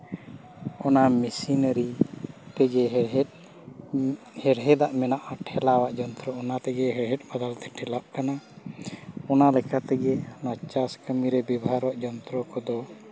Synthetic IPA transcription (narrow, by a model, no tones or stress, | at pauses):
ɔnamisinəɾipɛɡɛɦ̚ | hɛɽɦɛd̪aʔmɛnaʔaʈʰɛlawaʔd͡ʒɔnt̪ɾɔɔnat̪ɛɡɛɦɛɽɦɛt̪̚ˀbad̪alt̪ɛʈʰɛlap̚kana | ɔnalɛkat̪ɛɡɛnat͡ʃaskəmiɾɛbibaɦaɾwaʔd͡ʒɔnt̪ɾɔkɔd̪ɔ